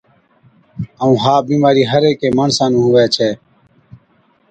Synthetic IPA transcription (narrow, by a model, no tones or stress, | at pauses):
əũːɦaːbiːmaːɾiːɦəɾeːkeːməɳsãːnũːɦʊʋeːt͡ʃʰeː